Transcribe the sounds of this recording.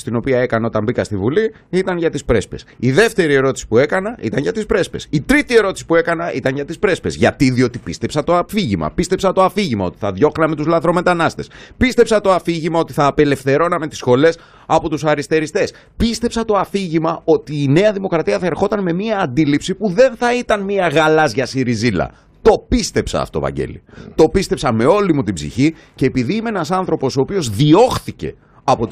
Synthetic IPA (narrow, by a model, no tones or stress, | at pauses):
st̪ino̞piɐe̞kɐneo̞t̪ɐmbikɐst̪ivuli | it̪ɐnʝɐt̪ispɾe̞spe̞̰siðe̞ft̪e̞ɾie̞ɾo̞t̪i̥si̥pue̞kɐnɐʔit̪ɐɲʝɐt̪ispɾe̞spesit̪ɾit̪ie̞ɾo̞t̪i̥si̥pue̞kɐnɐʔit̪ɐɲʝɐt̪ispɾe̞spe̞̰zʝɐ̰t̪iðio̞t̪ipist̪e̞psɐt̪o̞ɐfiʝimɐ̰pist̪e̞psɐt̪o̞ɐfiʝimɐo̞t̪i̥θɐðʝo̞xnɐme̞t̪uzlɐθɾo̞me̞t̪ɐnɐst̪e̞spist̪e̞psɐt̪oɐfiʝimɐo̞t̪iθɐːpe̞le̞fθe̞ɾo̞nɐme̞t̪i̥sxo̞le̞s | ɐpo̞t̪usɐɾist̪e̞ɾist̪e̞s | pist̪e̞psɐt̪o̞ɐfiʝimɐo̞t̪iːne̞ɐðimo̞kɾɐt̪iɐθɐe̞ɾxo̞t̪ɐnme̞miɐːnd̪ilipsipuðe̞nθɐit̪ɐnmiɐɣɐlɐzʝɐsiɾizilɐ̰ | t̪o̞pist̪e̞psɐ̰ft̪o̰vɐ̰ɲɟḛlḭt̪o̞pist̪e̞psɐme̞o̞limut̪ibzḭçi | ce̞ːpiðiːmeenɐsɐnθɾo̞po̞so̞ːpio̞zðio̞xθice̞̰ | ɐpo̞t̪